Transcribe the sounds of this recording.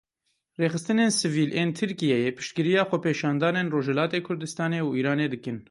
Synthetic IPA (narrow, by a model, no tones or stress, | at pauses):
reːxɨst̪ɨneːnsɨviːlʔeːnt̪ʰɨɾkijɛjepʰɪ̥ʃt̪̚kɨɾijɑːxʷɛpʰeːʃɑːnd̪ɑːneːnroːʒɛlɑːt̪eːkʰʊɾd̪ɨst̪ɑːneːuiːɾɑːneːd̪ɨkɨn